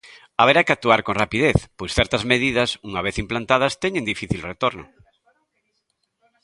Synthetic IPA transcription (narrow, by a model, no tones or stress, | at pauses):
aβ̞eɾakɪak̚t̪uaɾkonrapiðeθpojsθɛɾt̪ɐzmeðiðɐsuŋaβeθimplant̪að̞ɐst̪ɛɲẽŋd̪ifiθilret̪oɾno̰